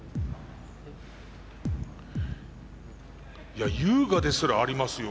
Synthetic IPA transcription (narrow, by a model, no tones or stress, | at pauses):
jajɯːɡad̪e̞sɨɾaːɾʲimasɨjo